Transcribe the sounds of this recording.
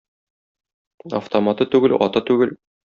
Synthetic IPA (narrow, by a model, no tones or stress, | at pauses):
ɐ̰ft̪omat̪ɤt̪ʉɡɘlɒ̰t̪ɤt̪ʉɡɘl